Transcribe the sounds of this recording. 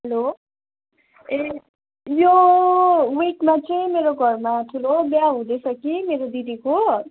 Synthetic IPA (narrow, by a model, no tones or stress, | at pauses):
ɦʌlo | e | jo | wiʈmat͡sʌĩmeɾoɡʱʌrmaʈʰulobjaɦũd̪ʌsʰʌkimeɾod̪idiko